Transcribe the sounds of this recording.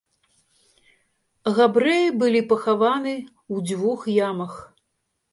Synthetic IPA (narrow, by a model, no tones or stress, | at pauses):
ɣabɾɛjibɨlʲipɐxavanɨ | wd͡zʲvuxjamɐx